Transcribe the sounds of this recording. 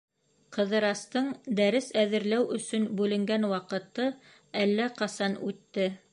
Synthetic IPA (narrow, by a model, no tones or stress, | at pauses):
qɤ̆ðɤ̆ɾɑst̪ɤɴd̪æɾɘsæðɘ̆ɾlæwɵ̆sɵnbʉlɘ̆ŋɡænwɑqɤ̆t̪ɤ | ælːæqɑsɑnʉt̪ːɘ